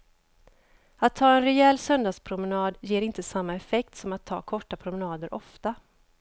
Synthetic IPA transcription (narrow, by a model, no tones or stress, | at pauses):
at̪ʰːɑːɛnɾɛɛlːsœnd̪ɑːɡspʰɾʊmɛnɑːd̪jeːɾɪnt̪əsamːaɛfɛk̚t̪sɔmat̪ʰːɑ̰ːkʰɔʈːapʰɾʊmɛnɑːd̪əɾʔɔft̪a